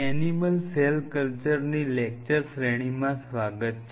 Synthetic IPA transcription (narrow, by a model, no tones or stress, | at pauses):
ɛniməlselkəlt͡ʃəɾnilek̚t͡ʃəɾsɾeɽ̃imãsʋaɡət̪t͡ʃʰ